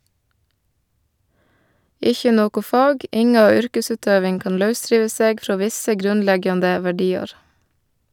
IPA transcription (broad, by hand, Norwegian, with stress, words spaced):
ˈɪçə ˈnoːkʊ ˈfɑːɡ ˈɪŋɑ ˈʏɾkəˌsʉːtøːʋɪŋ ˈkɑːn ˈlɑʉˌsɾiːʋə ˈseːɡ ˈfɾoː ˈʋɪsə ˈɡɾʉnˌlɛɡjɑndə ʋæˈɖiːɑɾ